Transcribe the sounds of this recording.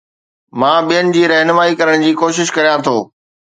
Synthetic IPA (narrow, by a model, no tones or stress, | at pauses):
mãːɓijənɪ̆d͡ʑiːɾɐɦnʋaːikɐɾəɽ̃d͡ʑiːkoːʃɪʃkɐɾijãt̪ʰoː